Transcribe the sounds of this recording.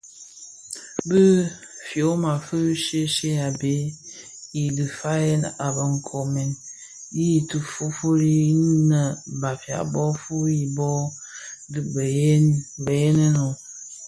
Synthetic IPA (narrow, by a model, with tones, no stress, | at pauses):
bə˦fjo˨˦ma˨fə˦ʃe˦ʃe˦a˨be˨˦ | i˨di˨fa˦je˦na˨bə˨ŋ̩˨kʰo˨me˨n | ji˦˨tu˨fu˦fo˦ɾi˦nə˨ba˨fja̰˨bɔ˦fu˦i˨bɔ˦ | dɨ˨bbə˨je˦nə˦no˨